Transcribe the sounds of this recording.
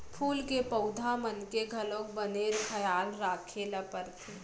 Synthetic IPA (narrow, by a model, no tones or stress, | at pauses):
pʰuːlkepəʊd̪ʱamənkeɡʱɐlõkbəneːɾkʰəjaːlɾaːkʰelɐpəɾt̪ʰiː